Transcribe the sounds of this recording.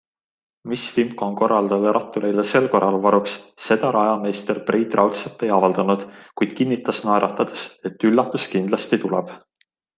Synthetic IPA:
misfimkˑonko̞rːɑld̪̥ɑd̪eɾʔɑt̪ːˑuɾejlese̞lko̞rːɑlvɑɾuksːe̞d̪̥ɑɾɑjɑme̞st̪erprʔiːt̪rɑwt̪sep̪ːˑe̞jɑvɑld̪̥ɑnud̪̥kujd̪̥kinːit̪ːˑɑsnɑeɾɑt̪ːˑɑd̪̥ese̞t̪ːylːɑt̪ːˑuskind̪lɑst̪it̪ulɛb̥

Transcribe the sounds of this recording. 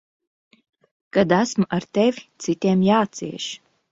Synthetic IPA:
kad̪æsmaɾt̪ɛvʲit̪sit̪ʲiɛmjaːt̪siɛʃ

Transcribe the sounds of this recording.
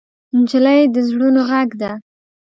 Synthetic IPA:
ɪnd͡ʒɪlajd̪əzɽunoɣaɡd̪a

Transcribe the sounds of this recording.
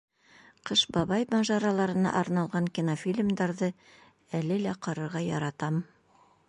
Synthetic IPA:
qɤʃbɑβɑjmɑʒɑɾɑlˠɑɾɤ̆nɑ̰ʔɑɾnɑlˠʁɑŋkʲinofʲilʲmd̪ɑɾðɤ | ælɘlæqɑɾɤ̆ɾʁɑjɑɾɑt̪ɑm

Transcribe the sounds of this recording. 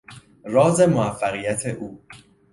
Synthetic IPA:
rɒːze̞moæfːæɣiːjæt̪ʰeʔuː

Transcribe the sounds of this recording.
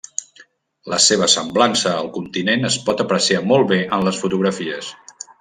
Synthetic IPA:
ləseβ̞əsəmblansəːlˠkunt̪inenəspɔt̪əpɾəsiamɔlˠβeʔənləsfut̪uɣ̞ɾəfiəs

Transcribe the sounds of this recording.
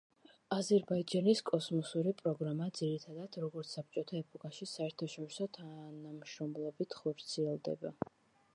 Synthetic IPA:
azɛɾbaidd͡ʒaniskʼɔsmɔsuɾipʼɾɔɡɾamad̪ziɾit̪ʰad̪ad̪̥ɾɔɡɔɾt̪sap̚ʰt͡ʃʼɔt̪ʰaɛpʰʼɔkʼaʃisaɛɾt̪ʰaʃɔɾisɔt̪ʰanamʃɾɔmlˠɔbit̪ʰχɔɾt̪sʰiɛlˠd̪ɛ̰ba

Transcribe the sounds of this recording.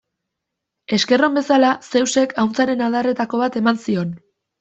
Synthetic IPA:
e̞ske̞ro̞mbe̞salase̞wse̞kʰawnt͡saɾe̞nalðare̞t̪ako̞βat̪e̞mansio̞n

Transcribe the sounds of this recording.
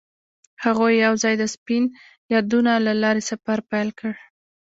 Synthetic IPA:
haɣojːawzɑjd̪əspin | jɑd̪unalalɑɾesafaɾpajlkəɽ

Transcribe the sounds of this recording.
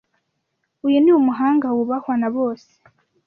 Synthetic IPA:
ujuniumuɦaːŋɡawuβahwanaβo̞ːse̥

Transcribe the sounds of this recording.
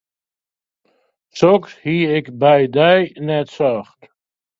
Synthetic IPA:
sɔkshiːɪkbɛjdɛjnɛtsɑχt

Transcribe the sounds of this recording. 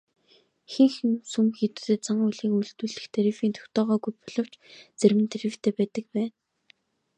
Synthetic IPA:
xɘ̆ŋxɘ̆nsumxit̪ɘ̆t̪ɘ̆t͡saɴʊjɮiːkuɮt̪uːɮɘ̆xt̪ʰeɾifiːnt̪ʰʊ̥xt̪ɔːʁɔːɡujpɔɮɞ̆w̥t͡ɕt͡sermɘ̆nt̪ʰeɾĭwft̪ʰeːpæːtp̪ə̆k̚pæːn

